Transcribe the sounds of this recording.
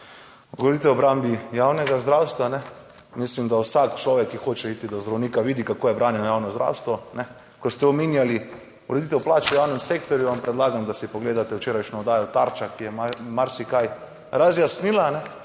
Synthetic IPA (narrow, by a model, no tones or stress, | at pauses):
ɡod̪it̪ɛwɔbɾambijawnɛɡazd̪ɾawst̪ʋanɛ | mislimd̪awsakt͡ʃlɔːʋɛkːixoːt͡ʃɛiːt̪id̪ɔzd̪ɾawniːkaʋiːd̪ikakoːjɛbɾaːnjɛnɔjaːwnɔzd̪ɾʔa̰ːwst̪ʋɔnɛ | kɔst̪ɛɔminjali | uɾɛd̪it̪̬ɛwplaːt͡ʃɛjawnɛmseːk̚t̪ɔɾjuʋampɾɛd̪laːɡamd̪asipoɡleːd̪at̪ɛwt͡ʃeːɾajʃnɔɔd̪aːjɔt̪aɾt͡ʃakijɛmamaɾsikaj | ɾazjasniːlanɛ